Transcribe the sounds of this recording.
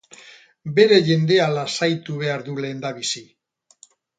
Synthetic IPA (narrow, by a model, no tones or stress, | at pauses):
be̞ɾe̞ʝe̞nd̪e̞alasajt̪uβ̞e̞aɾðule̞ːnd̪aβisi